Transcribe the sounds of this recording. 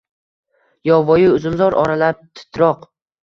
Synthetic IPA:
jɒvɒjɪʊzɪmzɒɾʔɒɾalap̚t̪ʰɪ̥t̪ʰɾɒq

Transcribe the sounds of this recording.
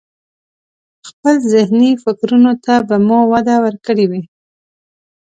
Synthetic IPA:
xpəlzɪhnifɪkɾunot̪abamɑwad̪awəɾkəɽiwi

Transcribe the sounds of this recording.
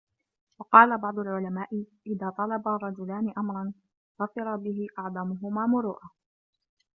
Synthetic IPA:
wɑqɑːlabɑʕd̪ˤʊlʕʊlamaːʔɪʔɪðaːt̪ˤɑlɑbaːrˤɑd͡ʒʊlaːnɪʔamɾˤɑn | ɣɑfɪɾˤɑbɪɦɪʔɑʕd̪ˤɑmʊɦʊmaːmʊɾuːʔaː

